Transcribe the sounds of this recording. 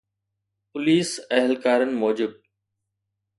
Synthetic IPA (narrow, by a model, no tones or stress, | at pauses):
pʊliːsɛɦɪlkaːɾənɪ̆moːd͡ʑɪb̚